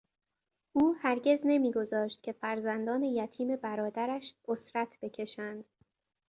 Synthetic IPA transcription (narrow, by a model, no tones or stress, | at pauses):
ʔuːhæɾɟe̞zne̞miːɡo̞zɒːʃt̪̚cʲʰe̞fæɾzænd̪ɒːne̞jæt̪ʰiːme̞bæɾɒːd̪æɾæʃʔosɾæt̪ʰb̥e̞cʰe̞ʃænd̪̥